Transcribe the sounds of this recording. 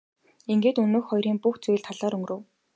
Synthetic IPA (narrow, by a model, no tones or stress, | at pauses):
iŋɡeːt̪ɵnoːxχɔjɾiːŋpuxt͡suj̆ɮt̪ʰaɮɔːɾɵŋɡɾɵ̆w